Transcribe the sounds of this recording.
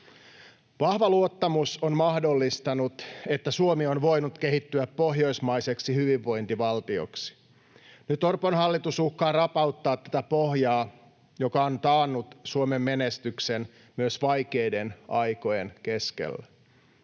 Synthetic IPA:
ʋɑhʋɑluot̪ːɑmusonmɑhdo̞lːist̪ɑnut̪e̞t̪ːæsuomionʋo̞jnut̪ke̞hit̪ːyæppːo̞ɦjo̞jsmɑjseksihyʋiʋːo̞jnt̪iʋɑlt̪io̰ksi̥ | nyt̪o̞rponhɑlːit̪usuhkːɑːrɑpɑut̪ːɑːt̪t̪ːæt̪æpohjɑː | jo̞kɑont̪ɑːnːut̪suomemːenest̪yksen | myøsʋɑjkejdenɑjko̞jenke̞skḛlːæ

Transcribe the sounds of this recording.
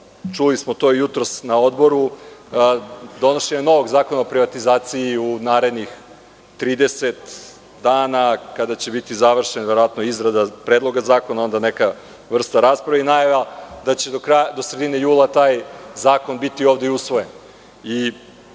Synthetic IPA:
t͡ʃulismot̪oijut̪ɾo̞snaod̪bo̞ɾu | d̪o̞no̞ʃe̞ɲano̞ʋo̞ɡzaːko̞naopɾiʋat̪izaːt̪siiunaːɾe̞d̪nix | t̪ɾiːd̪eset̪ | d̪aːnakad̪at͡ɕe̞bit̪izaʋr̩ʃenʋeɾoʋat̪noizɾad̪apɾed̪lˠo̞ɡazaːko̞nao̞nd̪aneka | ʋr̩st̪aɾaspɾaʋeinajaʋd̪at͡ɕe̞d̪okɾajd̪osɾed̪ine̞juːlˠat̪aːjzaːko̞nbit̪io̞ːʋd̪eusʋojen | i

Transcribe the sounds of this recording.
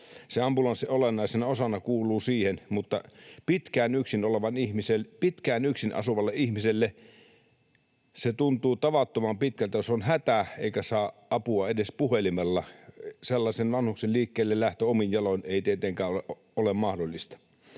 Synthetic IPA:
seɑmpulɑnsiolenːˑɑˑisenɑosɑnɑkuːlˑuːsiːhenmut̪ːɑ̰pit̪kæːnyksinoleʋɑnihmiselpit̪kæːnyksinɑ̰suʋɑlːeʔihmiselːe | set̪unt̪uːt̪ɑʋɑt̪ːomɑmpit̪kælt̪æjosonhæt̪æḛikæsɑːʔɑpuɑedespuhelimelːɑselːɑsenʋɑnhukselliːkːeːlːellæht̪øominjɑloneˑit̪iet̪eŋkæːoeʔ | olemmɑhdolːˑist̪ɑ̥

